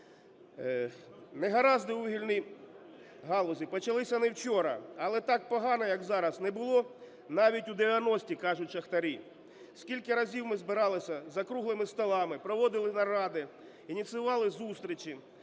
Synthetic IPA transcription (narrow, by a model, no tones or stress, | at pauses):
nɛɦɐɾɑzd̪ɪuɦilʲnʲij | ɦɑlˠɔzʲipɔt͡ʃɐlˠɪsʲɐnɛwt͡ʃɔɾɐ̰ɐlˠɛt̪ɑk̚pɔɦɑnɐjɐkzɑɾɐsnɛbʊlˠɔ | nɑʋʲitʲud̪eʋʲjɐnɔsʲtʲikɑʒʊt̚ʲʃɐxt̪ɐɾʲi | sʲkʲilʲkɐɾɐzʲiwmɪzbɪɾɑlˠɪsʲɐzɐkɾuɦlˠɪmɪst̪ɔlˠɑmɪpɾɔʋɔd̪ɪlˠɪnɐɾɑd̪ɪ | inʲit̪sɪʋɑlˠɪzust̪ɾʲit͡ʃʲi